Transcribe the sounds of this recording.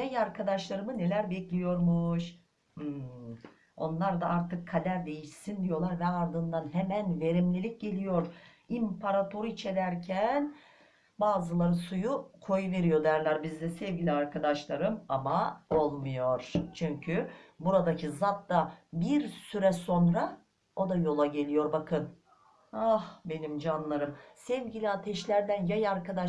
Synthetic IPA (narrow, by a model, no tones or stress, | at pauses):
jajaɾkʰad̪aʃlˠaɾɯmɯnelʲæɾbɛclʲijo̞ɾmuʃ̩ː | o̞nlˠaɾd̪aaɾt̪ʰɯkʰːalʲæɾd̪e̞jiʃsind̪ijo̞lˠaɾvɛaɾd̪ɯnd̪anɦemænve̞ɾimlʲilʲic̚ɟe̞lʲijo̞ɾ̥ | impʰaɾat̪ʰo̞ɾuit͡ʃʰe̞ɾæɾcʰæn | baːzɯlˠaɾɯsujukʰo̞juve̞ɾijo̞d̪æɾlʲˠaɾbizd̪ɛsɛvʲɟilʲiaɾkʰad̪aʃlˠaɾɯmamao̞lˠmujo̞ɾ̥t͡ʃʰyɲcʰybuɾad̪acʰizat̪̚d̪abiɾsyɾɛso̞nɾa | o̞d̪ajo̞lˠaɟe̞lʲijo̞ɾbakʰɯn | ahbe̞nimd͡ʒanlˠaɾɯmsɛvɟilʲiat̪ʰɛʃlʲæɾd̪ænjajaɾkad̪a